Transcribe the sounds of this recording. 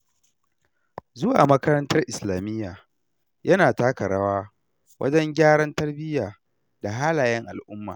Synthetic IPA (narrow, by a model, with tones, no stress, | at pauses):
zʊ˦wa̰ː˨mɐ˦kɐ˦ɾɐ˦ntɐ˦rʔɪ˨slaː˨mɪ˦jːaː˨ | jʔɐ˦naː˨taː˦kɐ˨ɽaː˦waː˦ | wɐ̰˦d͡ʒɐ˦ŋɡʲaː˦ɽɐ˦ntɐ˦rbɪ˦jaː˨ | da˨ɦaː˦laː˨jɐ˦ŋʔa˨lʔʊ˦mːa̰ː˨